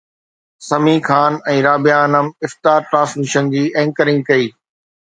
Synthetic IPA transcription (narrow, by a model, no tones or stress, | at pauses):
sɐmĩːkʰaːnɛ̃ːɾaːbɪjaːnəmɪft̪aːɾʈɾãːsmɪʃənd͡ʑiːʔɛ̃ːŋkəɾɪ̃ŋɡkɐiː